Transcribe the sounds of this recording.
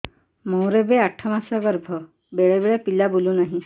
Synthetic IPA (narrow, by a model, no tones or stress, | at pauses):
mɔ̃w̃ɾebeaʈʰɔmasɔɡɔɾbʱɔ | beɭebeɭepilabulunaɦĩ